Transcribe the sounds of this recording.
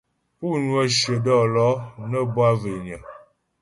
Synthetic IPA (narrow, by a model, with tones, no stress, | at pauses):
pu˦˨nwə˦ʃə˨dɔ˦˨lɔ˦nə˦bwa˦ve˨ɲə˨